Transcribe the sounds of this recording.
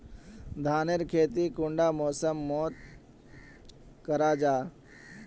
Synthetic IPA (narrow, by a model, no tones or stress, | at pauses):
d̪ʱaːneɾkʰeːt̪ikʊɳɖaːmɔːsəmːoːt̪̚ | kəɾaːd͡ʒaː